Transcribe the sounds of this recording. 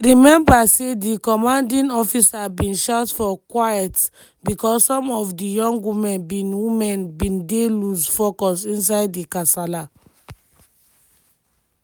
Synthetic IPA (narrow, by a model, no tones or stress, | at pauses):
ɹimɛ̃mbasedikɔmãndĩnɔfisabĩnʃatfɔkwajɛt | bikɔssɔ̃mɔfdijɔ̃ŋɡwimɛ̃nbĩnwimɛ̃nbĩndelusfɔkɔsĩns̬aɪdːikasala